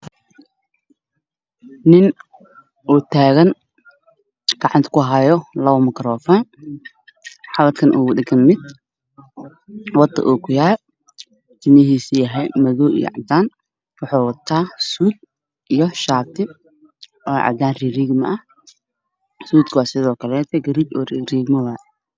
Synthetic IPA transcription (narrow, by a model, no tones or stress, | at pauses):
nɪn | ʔuːt̪ʰaːɣɐn | ɡ̥ɑʕɑnt̪ʰkʰʊɦajɔlɐβɐmɪkɾɔːfɔːn | ħɑβɐt̪kʰɐnʔṵːɣʊdɪɡɐnmɪd̪̥̚ | wɑt̪ːɐ̰ʔuːkʰʊjaːɾ | t̪ʰɪmɐɦiːsijɐɦɛjmɐðɔːʔḭj̰ʕɑ̰d̪aːn | wɑħɑːwɑt̪ʰːaːsuːd̪̚ | ʔijɔʃaːt̪ʰɪ | ɔːʕɑ̰d̪aːnririːɡmɐ̰ʔɐh | suːd̪kʰwɑːsɪðɔːkʰɐlɛːt̪ʰɛɡɐɾiːbɔːrriːɡmɐðaː